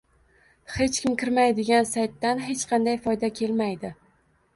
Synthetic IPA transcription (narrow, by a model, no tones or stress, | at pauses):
he̞t͡ʃkʲɪmkʲɪɾmajd̪ɪɡʲansajt̪ːanɦe̞t͡ʃqʰɑnd̪ajfɒjd̪akʲʰe̞lmajd̪ɪ